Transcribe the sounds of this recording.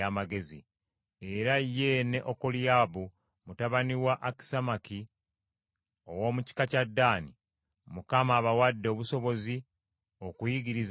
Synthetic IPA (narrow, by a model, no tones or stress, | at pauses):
amaɡe̞zḭ | e̞ɾajːe̞ne̞ʔokoljaːβu | mutaβaniwaʔaki̥samaki | o̞wo̞ːmuci̥kacadːaːni | mukamaːβawadːo̞ːβuso̞βo̞zi | o̞kujiɡiɾiz